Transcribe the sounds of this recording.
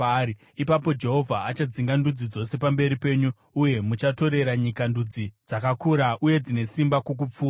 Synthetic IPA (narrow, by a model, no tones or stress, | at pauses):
i | ipapo̞d͡ʒe̞ɦo̞vʱaat͡ʃad͡ziŋɡandud͡zid͡zo̞se̞pambe̞ɾipe̞ːɲu | uje̞mut͡ʃato̞ɾe̞ɾaɲikandud͡zid͡zakakuɾaʔuje̞d͡zine̞simbakok̬up͡fuːa